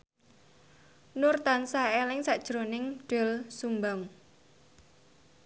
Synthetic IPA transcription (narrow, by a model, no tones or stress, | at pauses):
nurt̪ansaɛlɪŋsaʔd̥ʒ̥ɾonɪŋɖ̥ɛlsumbaŋ